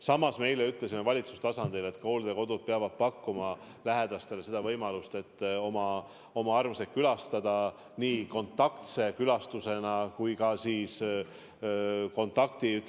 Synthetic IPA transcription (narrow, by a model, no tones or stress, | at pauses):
sɑmːɑsme̞jle̞yt̪ˑle̞simevɑlʲit̪su̥st̪ɑsɑnd̪̥ile̞t̪ːko̞ld̪̥e̞ko̞d̪̥ud̪̥̚peɑvɑd̪̥̚pɑkːumɑ | læɦe̞d̪̥ɑst̪e̞le̞se̞d̪̥ɑvɤjmɑlust̪e̞t̪ːo̞mɑ | o̞mɑɑrmsekkːylɑst̪ɑd̪̥ɑ | niːko̞nt̪ˑːɑkt̪se̞kylɑst̪use̞nɑkujkɑsiːs | ko̞nt̪ːˑɑkt̪i